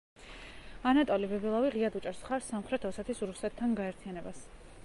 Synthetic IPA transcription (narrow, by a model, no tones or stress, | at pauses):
anat̪ʼɔlibɛbɛlˠaviʁiad̪ut͡ʃʼɛɾsχaɾsːamχɾɛt̪ʰɔsɛt̪ʰisɾusɛt̪ʰːanɡaɛɾt̪ʰianɛbas